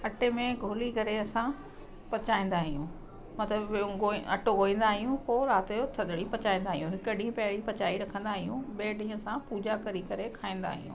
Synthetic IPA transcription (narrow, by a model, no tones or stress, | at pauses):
ɐʈemẽɡʱoːlikɐɾeɐsã | pɐt͡ɕaːĩːn̆d̪aːɦijũ | mɐt̪ləbɡoɐ̰ʈoɡoːĩːn̆d̪aːɦijũpoːɾaːt̪ejot̪ʰɐd̪ʱɽipɐt͡ɕaːĩːnd̪aːɦɪijũɦɪkəɖĩɦəpɐɦɪɽipɐt͡ɕaːiɾɐkʰə̃nd̪aːɦijũɓeːɖĩːə̆sãpuːd͡ʑakɐɾikɐɾekʰaːĩːn̆d̪a̰ːɦḭjṵ̃ː